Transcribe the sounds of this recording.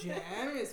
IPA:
ˈʒʲæːmʲeːs

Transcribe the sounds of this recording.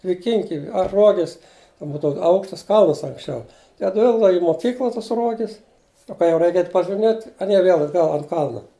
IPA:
dʲʋʲɪˈkʲɪŋʲkʲɪ ɐr ˈruɔɡʲɪs ˈbuːdɐʋʊ ˈɐʊkʃtɐs ˈkɐlˠnɐs ɐŋksʲˈt͡ʃʲɛʊ tɐɪ ɐtʲˈʋʲɪlˠɡdɐʋɐ ɪ moːˈkʲiːklˠɐ ˈtɐs ˈruɔɡʲɪs nʊ ˈkɐ jɛʊ ˈrʲɛɪk ˈɛɪtʲ pɐʒʲɪˈmʲeːtʲ ɐˈnʲiɛ ˈʋʲeːlˠ ɐdˈɡɐlˠ ɐnt ˈkɐlˠnɐ

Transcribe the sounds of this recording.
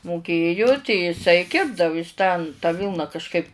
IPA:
moːˈkʲeːjʊ tʲɛɪ jɪˈsɐɪ ˈkʲɪrbdɐʋʊ ɪs tɐn tɑː ˈʋʲiːlˠnɐ kɐʃˈkɐɪp

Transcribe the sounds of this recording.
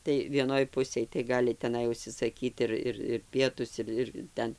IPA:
tɐɪ ʋʲiɛˈnoːj ˈpʊsʲeːj tɐɪ ˈɡɑːlʲɪ tʲɛˈnɐɪ ʊʃʲsʲɪsɐˈkʲiːt ɪr ˈɪr ɪr ˈpʲiɛtʊs ɪr ɪr ˈtʲɛn

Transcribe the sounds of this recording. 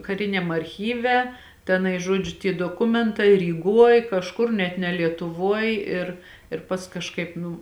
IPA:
kɐˈrʲɪnʲɛm ɐrʲˈxʲiːʋʲɛ tʲɛˈnɐɪ ˈʒoːd͡ʒʲʊ tʲiɛ doːˈkʊmʲɛntɐɪ rʲiːˈɡuɔj kɐʃˈkʊr nʲɛt nʲɛ lʲiɛtʊˈʋuɔj ɪr ɪr ˈpɐsk kɐʃˈkɐɪp ˈnuː

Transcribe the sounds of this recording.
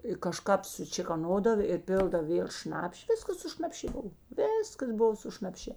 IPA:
ɪ kɐˈʃkɐp sʊt͡ʃʲeːkoːˈnoːdɐw ɪr ˈpʲeːlˠdɐw ˈʋʲeːlˠ ˈʃnɑːpʲʃʲɪ ˈʋʲɪskɐs sʊ ʃnɐpʲˈʃʲeː ˈboːw ˈʋʲeːskɐs ˈbʊʋoː sʊ ʃnɐpʲˈʃʲeː

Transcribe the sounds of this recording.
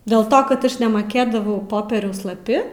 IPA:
dʲeːlˠ ˈtoː kɐt ˈɐʃ nʲɛmɐˈkʲeːdɐʋɐʊ ˈpoːpʲiɛrʲɛʊs lˠɐˈpʲɪ

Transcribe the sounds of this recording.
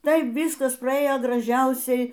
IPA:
ˈtɐɪ ˈʋʲiːskɐs prɐˈeːjoː ɡrɐˈʒʲɛʊsʲɛɪ

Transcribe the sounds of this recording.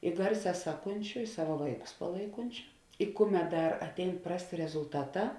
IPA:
ɪ ˈɡɐrʲˌsʲɛː ˈsɑːˌkʊnʲt͡ʃʲʊ ɪ ˈsɑːʋɐ ˈʋɐɪˌkʊs pɐˈlˠɐɪkʊnʲt͡ʃʲʊ ɪ ˈkʊˌmʲɛt ˈdɐr ɐtʲˈɛɪn ˈprɑːsʲˌtʲeː rʲɛzʊlˠˈtɑːˌtɑː

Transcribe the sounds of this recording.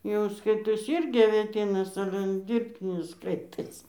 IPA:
jɛʊ ˈskɐɪtoːsʲɪ ˈɪrʲɡʲɪ ɐʋʲeːˈtʲiːnɐs ˈɑːlʲɛ ˈdʲiːrʲpʲtʲɪnʲɪs ˈskɐɪtoːsʲɪ

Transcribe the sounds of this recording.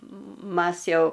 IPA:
ˈmɐs ˈjɛʊ

